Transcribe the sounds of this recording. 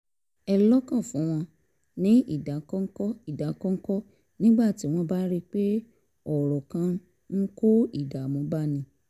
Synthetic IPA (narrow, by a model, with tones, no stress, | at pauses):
ɛ˧lɔ˦kã˦˨fũ˨˦ɾ̃ã˧ | nĩ˨˦ḭ˦˨da˨˦kɔ˦ŋ̩˦kɔ˦i˨da˨˦kɔ˦ŋ̩˦kɔ˦ | nĩ˦ɡ͡ba˦˨ti˨˦w̃ɔ̃˧ba˦ɾi˦k͡pe˦ | ɔ˨ɾɔ˨kã˧˦ | ŋ̩˦ko˦i˦˨da˨mɔ̃˨˦ba˦˨nĩ˧˦